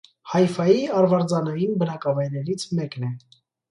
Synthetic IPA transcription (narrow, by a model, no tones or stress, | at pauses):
hɑjfɑjiɑɾvɑɾd͡zɑnɑjinbənɑkɑvɑjɾɛɾit͡sʰmɛknɛ